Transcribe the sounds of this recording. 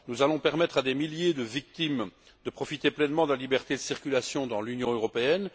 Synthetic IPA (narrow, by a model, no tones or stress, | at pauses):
nuzalɔ̃pɛʁmɛt̪χad̪emiljed̪əvik̚t̪im | d̪əpχɔfit̪eplɛnmɑ̃d̪əlalibɛʁt̪ed̪əsiʁkʲylasjɔ̃d̪ɑ̃lynjɔ̃øʁɔpeɛn